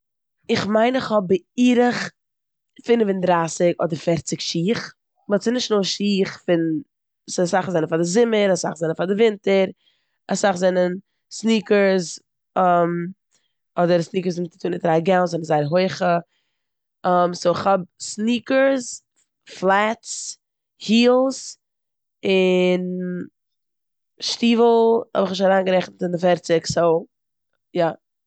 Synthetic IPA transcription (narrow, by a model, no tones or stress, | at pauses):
ɪχmaɪnɪχhɔbəiːɾəχ | fɪnvɪndɾaːsɪkɔ̰dəɾfɛɾt͡sɪkʃiːχ | mɔsɪnɪʃtnoːʃiːχfɪn | sɪasaχzɛnənfadɪzɪməɾasaχzɛnənfadɪvɪntəɾ | asaχzɛnən | sniːkəɾz | m | ɔdəɾsniːkəɾzɪmt͡sɪ̥tʰuːnɪtɾaːɡɛlˠnzɔnənzaɪɾɦoɪχə | ɔmsoːɪχhɔb̚sniːkəɾs | flˠat͡s | hiːlˠs | ɪn | ʃtiːvl̩ˠhɔ̰bɪχnɪʃaɾaːnɡəɾɛχnətɪndɪfɛɾt͡sɪkso | ja